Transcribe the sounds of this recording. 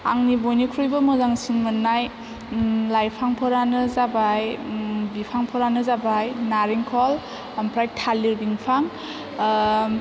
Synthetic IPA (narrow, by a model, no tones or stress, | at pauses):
a̰ŋnibojnikʰɾujbɯmɯzaŋsinmɯnːaj | lajpʰaŋpʰɔɾanɯzabajbipʰaŋpʰɔɾanɯzabajnaɾiŋkʰɔl | ampʰɾajtʰalːiɾbiŋpʰaŋ